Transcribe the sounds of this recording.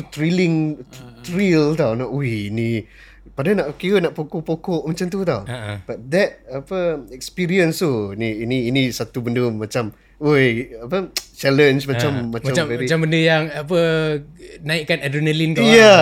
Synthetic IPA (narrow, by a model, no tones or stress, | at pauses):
ut̪ɾiliŋt̪ɾilt̪awnaʔojinĩ | padanaʔkiɣənaʔpokoʔpokɔʔmat͡ʃamt̪ut̪awb̥at̪̚d̪ɛt̚apəɛkspiɾiənst̪uiniːniːnisat̪ubəndəmat͡ʃam | ojapət͡ʃɛlənd͡ʒmat͡ʃamːat͡ʃmãmvɛɾiambəndəjaŋapə | naiʔkːanadunəlink̪aja